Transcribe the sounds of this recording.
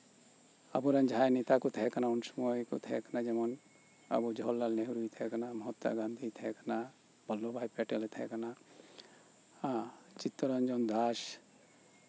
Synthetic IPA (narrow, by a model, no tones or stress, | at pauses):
a̰buɾand͡ʒʱajnit̪akut̪ʰɛɦɛkanaunsɔmɔjkṵt̪ʰɛɦɛkanad͡ʒɛmɔn | a̰bud͡ʒʱɔlːalneɦuɾujt̪ʰɛɦɛkanamɔɦɔt̪ːa̰ɡand̪ʱit̪ʰɛɛkana | bʱɔlːobʱajpɛʈɛlɛt̪ʰɛɛkana | t͡ʃit̪ːɔɾand͡ʒɔnd̪as